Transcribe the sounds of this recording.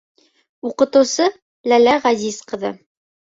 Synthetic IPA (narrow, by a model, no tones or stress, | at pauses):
uqɤ̆t̪ɤ̆wsɤ | lælæʁæzizqɤ̆ðɤ̰